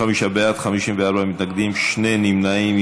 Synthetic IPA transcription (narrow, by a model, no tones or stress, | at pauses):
amiʃabeat̪χamiʃimveaɾbamit̪naɡd̪imʃne̞nimnaim